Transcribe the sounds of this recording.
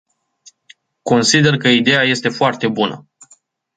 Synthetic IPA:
ko̞nsid̪e̞rkəid̪e̞jaje̞st̪e̞foart̪e̞bunə̰

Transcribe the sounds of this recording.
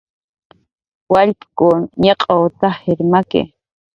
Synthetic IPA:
waʎpkʊnɲeqʼot̪aheɾmakḛ

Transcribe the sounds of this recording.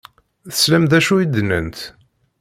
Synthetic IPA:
θə̥slæmðæʃuid̪ənə̰nt̪

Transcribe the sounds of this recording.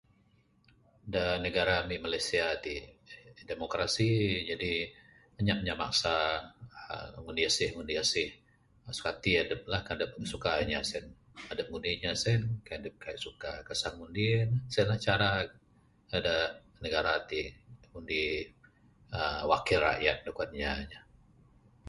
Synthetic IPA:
danəɡaɾamiʔmalajsiat̪i | demokɾasid͡ʒadi | məɲaʔɲama̰ksaəŋundiasɪhŋundiasɪh | su̥kat̪iadəp̚lahkadəp̚sukaɲasɛn | adəp̚ŋundiɲasɛnkaadəp̚kʰajaʔsukakəsanŋundinsɛnlaht͡ʃaɾa | ada | nəɡaɾat̪iŋundi | əwakɪlra̰ʔjat̪̚dukuanɲaɲa

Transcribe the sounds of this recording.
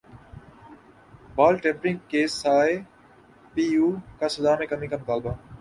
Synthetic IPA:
baːlʈẽːmpɾɪ̃ŋɡkeːsaːe | piːuːkasɐd̪aːmẽːkɐmiːkamʊt̪aːlba

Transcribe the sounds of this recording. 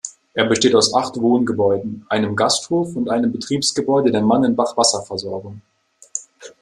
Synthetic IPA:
ʔeːɐbəʃteːtaʊsʔaχtv̥oːnɡəbɔʏdn̩ʔaɪnəmɡasthoːfʊntʔaɪnəmbətʁ̥iːpsɡ̥əbɔʏdədeːɐmanɪnbaχv̥asɐfɛɐzɔɐɡʊŋ

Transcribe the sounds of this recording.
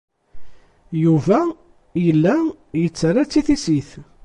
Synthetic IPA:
juvæ | jəlːæ | jət͡sːərˤːat͡sːiθisiθ

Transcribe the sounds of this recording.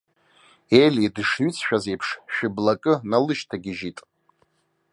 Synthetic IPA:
elidʂɥʏt͡sʰʃᶣaze̞jpʰʂʃᶣɪblakʼɨnalɨʃtʰaɡʲɪʒitʼ

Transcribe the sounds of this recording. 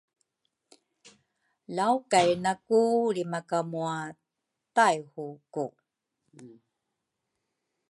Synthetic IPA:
lawkajnakulimakamua | tajhuku

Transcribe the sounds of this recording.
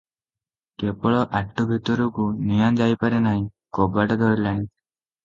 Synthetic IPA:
kepɔɭɔʔaʈːubʱit̪uɾukunijand͡ʒajpaɾenaɦĩ | kɔbaʈɔd̪ʱɔɽlaɦĩ

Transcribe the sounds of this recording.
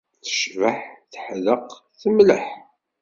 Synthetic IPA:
θə̥ʃvəħθə̥ħðəq | θəmləħ

